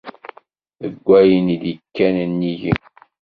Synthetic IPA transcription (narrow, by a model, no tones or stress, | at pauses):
əɡʷːæjənid̪əkːænnːiʝḭ